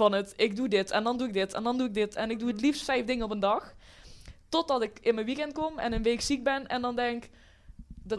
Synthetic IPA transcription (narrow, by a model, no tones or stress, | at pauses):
vɑnətɪɡ̚dudɪtʰɛndɑnduɪɡ̚dɪtɛ̰ndɑnduɪɡ̚dɪtɛnɪɡ̚duətlifstfɛjfdɪŋənɔpəndɑx | tot̚dɑtɪkɪnmənʋikɛnt̚komɛ̰nənʋeːksik̚bɛnɛndɑndɛŋk | d